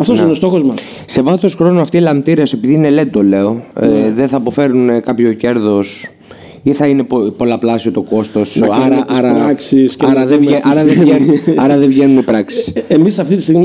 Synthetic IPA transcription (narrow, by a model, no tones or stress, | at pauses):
ɐft̪osinost̪o̞xozmɐs | se̞vɐθo̞sxɾo̞noɐft̪iːlɐmt̪iɾese̞piðiine̞le̞d̪ole̞oeðeθɐpo̞fe̞ɾunkɐpço̞ce̞ɾðo̞s | iθɐine̞popo̞lɐplɐsiot̪o̞ko̞st̪o̞sɐɾɐɐɾɐɾɐksiscɐɾɐðeveʔɐɾɐðeenɐɾɐðevʝenunipɾɐksisemisɐft̪it̪ist̪iɣmi